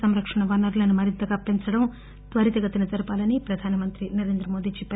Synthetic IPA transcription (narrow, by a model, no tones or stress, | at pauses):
ɐmɾɐkʂɐɳɐʋɐnɐɾlɐnumɐɾint̪ɐɡaːpːiɲt͡ʃɐɽɐm | t̪ʋɐɾit̪ɐɡɐt̪inɐd͡ʒɐɾɐpaːlɐnipɾɐd̪ʱaːnɐmɐnt̪ɾinɐɾe̞ːnd̪ɾɐmo̞ːd̪iːt͡ʃipːɐ